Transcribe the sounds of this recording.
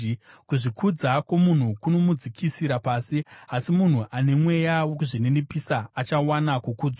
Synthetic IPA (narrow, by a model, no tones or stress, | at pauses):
kuʐikʰud͡zakomun̤ukuno̞mud͡zikʰisiɾapaːsiasimun̤uʔane̞mwe̞jawo̞kuʐine̞nepisaːt͡ʃawanakukuːd͡za